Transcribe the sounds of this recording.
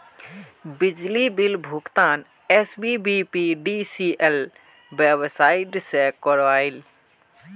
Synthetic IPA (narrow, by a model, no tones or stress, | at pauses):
bid͡ʒlibilbʱukt̪aːn | esbibipiɖisiʔel | bebsaiʈsekɔɾʋail